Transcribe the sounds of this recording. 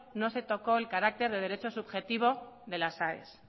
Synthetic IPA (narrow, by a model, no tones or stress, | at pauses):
no̞se̞t̪o̞ko̞elkaɾak̚t̪e̞ɾðe̞ð̞e̞ɾe̞t͡ʃo̞suβxe̞t̪iβ̞o̞ðe̞lasaḛs